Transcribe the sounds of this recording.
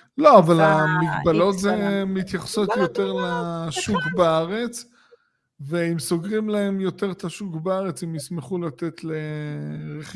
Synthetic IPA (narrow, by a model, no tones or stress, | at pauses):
lo̞avalamiɡbalo̞t̪zemit̪jaχso̞t̪jo̞t̪e̞ʁlaʃukbaaʁe̞t͡s | veimso̞ɡʁimlaemjo̞t̪e̞ʁt̪aʃukbaaʁe̞t͡simjismeχulat̪e̞t̪leʁeχ